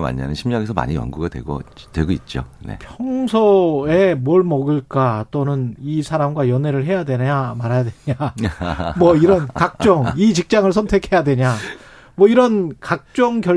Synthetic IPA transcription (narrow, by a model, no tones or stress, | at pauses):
ma̰ɲːa̰nɯnɕʰimɲaɡesʰʌma̰ɲiwʌ̰nɡuɡadwḛɡo̰dwe̞ɡoit̚t͡ɕ͈onḛpʰjʌŋsʰʌe̞mwʌɭmʌɡɯɭk͈at͈onɯnisʰaɾamɡwajʌne̞ɾɯɭɦe̞jadwe̞ɲamaɾajadweɲa | mwʌiɾʌnkak̚t͡ɕ͈ʌŋit͡ɕik̚t͡ɕ͈aŋɯɭsʰʌntʰe̞kʰe̞jadweɲa | mwʌiɾʌnkak̚t͡ɕ͈ʌŋɡjʌ